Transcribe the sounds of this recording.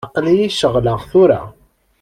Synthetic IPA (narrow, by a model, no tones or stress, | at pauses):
qlijiʃəʁləʁθʊɾa̰